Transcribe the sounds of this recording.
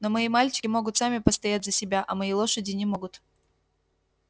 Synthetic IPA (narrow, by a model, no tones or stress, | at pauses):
no̞mɐimalʲt͡ɕɪ̥kʲɪmo̞ɡʊt̪samʲɪpəst̪ɐjatʲzəsʲɪbʲaʔɐmɐilˠo̞ʂədʲɪnʲɪmo̞ɡʊt̪